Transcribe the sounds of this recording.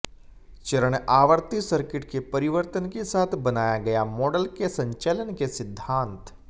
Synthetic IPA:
t͡ʃɐɾəɽ̃aːʋəɾt̪isɐɾkɪʈkepɐɾɪʋəɾt̪ənkesaːt̪ʰbɐnaːjaɡɐjamɔːɖəlkesɐ̃ɲt͡ʃɛlənkesɪd̪ʱːãːnt̪

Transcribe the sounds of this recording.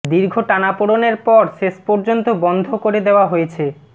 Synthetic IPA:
d̪iɾɡʱoʈanapoɽoneɾpɔɾʃeʃpɔɾd͡ʑont̪obɔnd̪ʱokoɾed̪eoaɦojet͡ɕʰe

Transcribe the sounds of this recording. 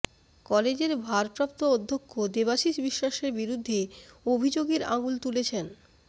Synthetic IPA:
kɔled͡ʑeɾbʱaɾpɾap̚t̪ood̪ʱːokʰːod̪eβaʃiʃbiʃːaʃeɾbiɾud̪ʱːeobʱid͡ʑoɡeɾa̰ɡult̪ulet͡ɕʰen

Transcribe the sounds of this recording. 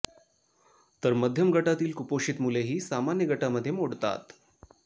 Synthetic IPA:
t̪əɾməd̪ʱjəmɡʱəʈat̪iːlkupoɕiːt̪muleɦiːsamanjəɡʱəʈaməd̪ʱːjemoɽt̪a̰t̪

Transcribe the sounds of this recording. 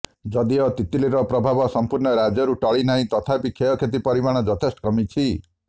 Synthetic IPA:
d͡ʒɔd̪iɔt̪it̪iliɾɔpɾɔbʱabɔsɔmpuɾɳɔɾad͡ʒjɔɾuʈɔɭinaɦĩt̪ɔt̪ʰapikʰeɔkʰet̪̬ipɔɾimaɽ̃ɔd͡ʒɔt̪ʰesʈɔ̥kɔmit͡ʃʰi

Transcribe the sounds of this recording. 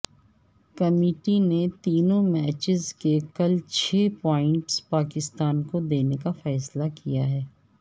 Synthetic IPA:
kɐmeːʈinet̪iːnõmɛːt͡ʃɪzkekɐlt͡ʃʰeːpɔːɪ̃ɳʈspaːkɪst̪aːnkod̪eːnekafɛːslakijaɦɛː

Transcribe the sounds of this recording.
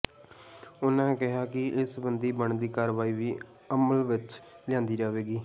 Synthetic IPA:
ʊnãːkɪɦaːkɪɪsbənd̪iːbəɳd̪iːkaːɾʋaːiːʋiː | əməlʋɪt͡ʃlɪjãːnd̪iːd͡ʒaːʋeːɡiː

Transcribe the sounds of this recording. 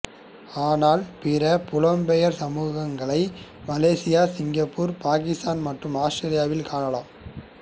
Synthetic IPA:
aːnaːlpɪɾɐpʊlɐmbɛjɐɾsɐmuːɣɐŋɡɐɭɐɪ | mɐleːsɪjaːsɪŋɡɐpːuːɾpaːkɪst̪aːnmɐʈrɯmaːsʈɐɾɪjaːʋɪlkaːɳɐlaːm

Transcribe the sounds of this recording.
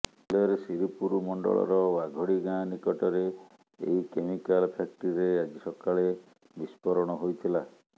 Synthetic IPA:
lɔɔɾesiɾipuɾumɔɳɖɔ̰ɭɔ̰ɾɔbaɡʱɔɽiɡanikɔʈɔɾe | ḛɦikemikalpʰak̚ʈiɾead͡ʒisɔkaɭe | bispɔɾɔɽ̃ɔɦojt̪ʰila

